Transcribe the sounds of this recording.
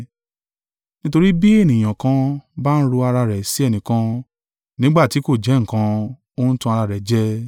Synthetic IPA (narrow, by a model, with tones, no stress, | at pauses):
nĩ˦to˧ɾi˦bi˦e˦˨nĩ˨j̃ã˨kã˧ba˦n̩˦ɾo˧a˧ɾa˧ɾɛ˨si˨˦ɛ˦˨nĩ˨kã˧ | nĩ˨˦ɡ͡ba˦˨ti˨˦ko˦˨d͡ʒɛ˨˦ŋ̩˦˨kã˧˦ | o˦n̩˦tũ˧a˧ɾa˧ɾɛ˨d͡ʒɛ˦